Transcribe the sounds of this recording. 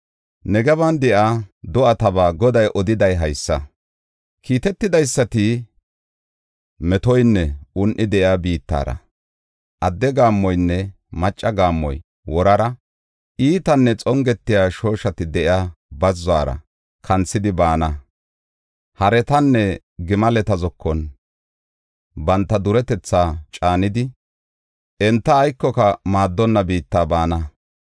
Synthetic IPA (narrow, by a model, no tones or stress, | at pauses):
nɛɡɛβɐnd̪ɛʔaːd̪ɔʔɐt̪ɐbaːɡɔd̪ɐjʔɔd̪ɪd̪ɐjɦɐjsːɐ | kʰiːt̪ɛt̪ːɪd̪ɐjsːɐt̪ɪ | mɛt̪ɔjnːɛʊnʔɪd̪ɛʔɪabiːt̪ːa̰ːɾɐ̰ | ʔɐd̪ːɛɡaːmːɔjnːɛ | mɐt͡ʃʼːɐɡaːmːɔ̰j | wɔɾɐɾɐ | ʔiːt̪ɐnːɛt͡sʼɔŋɡɛt̪ːɪjaːʃo̞ːʃɐt̪ɪd̪ɛʔɪaːbɐzːʊaːɾɐ̰ | kʰɐnt͡sːɪd̪ɪbaːnɐ | hɐɾɛt̪ɐnːɛ | ɡɪmɐlɛt̪ɐzɔkʰːɔn | bɐnt̪ːɐd̪ʊɾɛt̪ɛt͡sːaːt͡ʃʼaːnɪd̪ɪ | ɛnt̪ːɐːjkːɔkɐmaːd̪ːɔnːɐbiːt̪ːaːbaːnɐ